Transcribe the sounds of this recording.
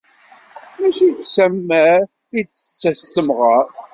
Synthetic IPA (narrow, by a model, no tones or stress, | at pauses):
mæʃisæmːæ | it͡st͡sːæst̪əmʁəɾ